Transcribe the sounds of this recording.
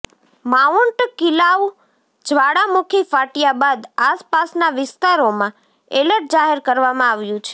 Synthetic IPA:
mauɳʈkilaʋ | d͡ʒʱʋaɽamukʰifaʈijabad̪aspasnaʋɪst̪aɾomã | eləʈ̚d͡ʒaɦeɾkəɾʋamãaʋjũt͡ʃʰe̥

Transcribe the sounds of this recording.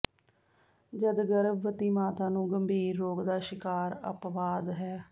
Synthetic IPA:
d͡ʒəd̪ɡəɾbːət̪iːmaːt̪ãːnũːɡəmbʱiːɾːoːkd̪aːʃɪkaːɾə̰pʋaːd̪ɦɛː

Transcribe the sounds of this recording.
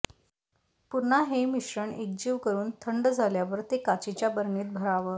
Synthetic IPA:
puɾn̤aɦemiɕɾəɳek̚d͡ʑiːʋkəɾuːnt̪ʰəɳɖd͡zʱaljaʋəɾt̪ekat͡ɕit͡ɕjabəɾɳiːt̪̚bʱəɾaʋəː

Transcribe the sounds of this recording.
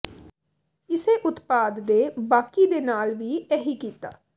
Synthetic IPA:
ɪseːʔʊt̪paːd̪ːeːbaːkid̪eːnaːlʋiːɛɦiːkiːt̪a̰ː

